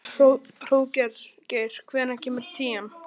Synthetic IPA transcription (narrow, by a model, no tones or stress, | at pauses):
ro | r̥oːwcɛɾ̥cejɾ̥kʰvɛːðnacʰɛːmɪɾt̪ʰiːɛm